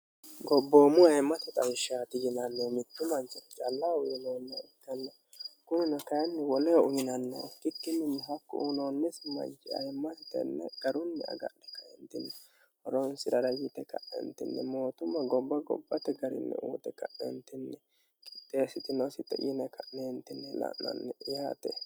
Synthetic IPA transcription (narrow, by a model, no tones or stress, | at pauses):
ɡɔbːoːmʊɐjmːɐt̪ɛt̪ʼɐjɪʃaːt̪ɪɡɪnɐnːomɪt̪ːʊmɐnt͡ʃɛt̪t͡ʃɐlːawʊjɪnoːnːɐɪt̪ːɐnːɛ | kʊnɪnɔkɐjɛnːɛwɔlɛʔʊjɪnɐnːo̰kɪkːɪnːɪnːɛɦɐkːʊunonːɛsɪmɐ̰t͡ʃɪɐ̰jmːɐsɪt̪ɛ̰nːɛ̰ɡ̥ɐɾʊnːɛɐ̰ɡɐ̰ʔɛkɐjɛnt̪ɪnːɛ | hɔɾonsɪɾɐɾɐjɪt̪ɛkɐ̰ʔːɛ̰nt̪ɪ̰nːɛmoːt̪ʊmːɐɡɔbːɐɡɔ̰bːɐt̪ɛɡɐɾɪ̰nːɛ̰ʔṵːt̪ɛkɐʔɛ̰nt̪ɪnːɛ | kɪt̪ʼːeːsɪt̪ɪnɔsɪt̪ːɛ̰jɪnɛkɐʔneːnt̪ɪnːɛlɐ̰ʔnɐ̰nːɛjaːt̪ɛ